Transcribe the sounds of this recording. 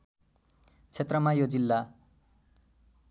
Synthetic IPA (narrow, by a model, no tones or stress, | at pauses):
t͡sʰet̪rʌmajod͡zilːa